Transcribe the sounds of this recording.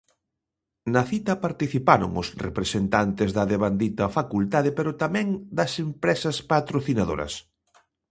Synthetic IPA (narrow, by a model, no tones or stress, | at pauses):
nɐθit̪ɐpaɾt̪iθipaɾo̰ŋʊsrepɾesent̪ant̪ezðɐðeβand̪it̪ɐfakult̪að̞epeɾʊt̪amɛ̃ŋd̪ɐsempɾɛsɐspat̪ɾoθinaðo̰ɾɐ̰s